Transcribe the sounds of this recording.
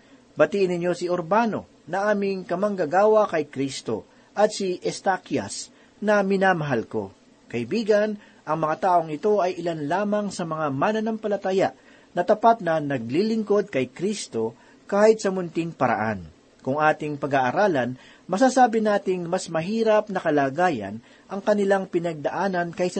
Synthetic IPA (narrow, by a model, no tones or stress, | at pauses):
bɐt̪iːʔɪnɪɲːo̞sɪoɾbano̞̰ | nɐʔaːmɪŋkɐmɐŋɡɐɡaːwɐkɐjkɾist̪o̞̰ | ʔɐt̪̚sɪʔɛst̪akjɐ̰s | nɐmɪnaːmɐɦalko̞̰ | kɐʔɪbiːɡɐn | ʔɐŋmɐŋat̪aːʔo̞ŋɪt̪o̞ʔɐjʔɪlanlaːmɐŋsɐmɐŋamanɐnɐmpɐlɐt̪aːjaʔ | nɐt̪ɐpat̪̚nɐnɐɡ̚lilɪŋko̞d̪̚kɐjkɾist̪o̞ | kaːhɪt̪̚sɐmʊnt̪ɪŋpɐɾɐ̰ʔa̰n | kʊŋʔaːt̪ɪŋpɐɡaːʔɐɾaːlɐn | mɐsasaːbɪnaːt̪ɪŋmɐsmɐɦiːɾɐp̚nɐkɐlaːɡaːjɐ̰n | ʔɐŋkɐnɪlaŋpɪnɐɡ̚d̪ɐʔaːnɐnkɐjsɐ